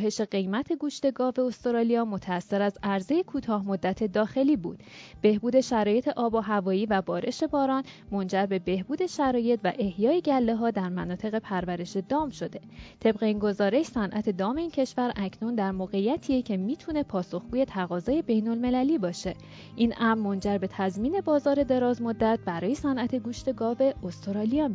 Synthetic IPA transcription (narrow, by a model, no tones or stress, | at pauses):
ɦe̞ʃe̞ɢe̞jmæt̪ʰe̞ɡuːʃt̪e̞ɡɒːve̞ost̪oɾɒːlijɒːmo̞t̪ʰæːsːe̞ɾæzæɾze̞jekʰuːt̪ʰɒːhmo̞d̪ːæt̪ʰe̞d̪ɒːxe̞liːbṵːd̪̥b̥e̞hbuːd̪e̞ʃæɾɒːje̞t̪ʰe̞ʔɒːbɒɦævɒːjiːvæbɒːɾʔe̞ʃe̞bɒːɾɒːnmo̞nd͡ʒæɾbe̞be̞hbuːd̪e̞ʃæɾɒːje̞t̪ʰvæ̰ʔe̞hjɒːe̞ɟælːe̞ɦɒːd̪æɾmænɒːt̪ʰe̞ɣe̞pʰæɾvæɾe̞ʃe̞d̪ɒːmʃod̪e̞t̪ʰe̞bɢe̞iːnɡo̞zɒːɾe̞ʃsænʔæt̪ʰe̞d̪ɒːme̞iːncʰeʃvæɾʔæcʰnund̪æɾmoːɣe̞jæt̪ʰiecʰe̞miːt̪ʰune̞pʰɒːso̞xɡ̥uːje̞t̪ʰæɣɒːzɒːje̞be̞jno̞lme̞læliːbɒːʃe̞ | ʔiːnʔæmːo̞nd͡ʒæɾbe̞t̪ʰæzmiːne̞bɒːzɒːɾe̞d̪e̞ɾɒːzmod̪ːæt̪̚bæɾɒːje̞sænʔæt̪ʰe̞ɡuːʃt̪e̞ɡɒːve̞ost̪ʰoɾɒːlijɒ